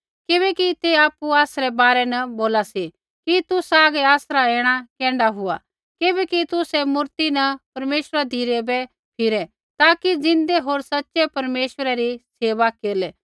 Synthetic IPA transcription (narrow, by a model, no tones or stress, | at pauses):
kɪbɛkit̪eaːpːuaːsɾɛbaːɾɛnɐboːlasi | kit̪ʊsaːɡɛaːsɾaɛ̃ːɽ̃akɛ̃ːɳɖaɦʊa̰ | kɪbɛkit̪ʊsɛmʊɾt̪inɐpɐɾmeːʃəɾad̪ʱiːɾɛbɛ | pʰɪɾɛ | t̪aːkid͡zɪ̃nd̪ɛɦoːɾsɐtːʃɛpɐɾmeːʃəɾɛɾiseːʋakeːlɛ